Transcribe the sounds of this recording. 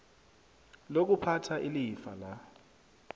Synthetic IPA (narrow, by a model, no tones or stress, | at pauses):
lok̬upʰatʰaʔilifa̰la